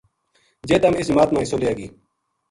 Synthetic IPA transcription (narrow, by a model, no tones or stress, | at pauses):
d͡ʑeːt̪ɐmisimaːt̪mãːisoleaːɡḭː